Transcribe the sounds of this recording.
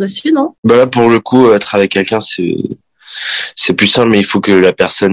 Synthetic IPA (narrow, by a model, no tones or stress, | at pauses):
asinɔ̃balapuʁləkʰuøɛt̪χavɛkʲːɛlkʲɛ̃sɛ̰ | sɛplysɛ̃plmɛilfokəlapɛʁsɔn